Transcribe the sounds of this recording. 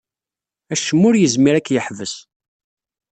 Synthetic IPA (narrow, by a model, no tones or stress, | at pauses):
æʃəmːʊɾjəzmiɾækːjəħvəs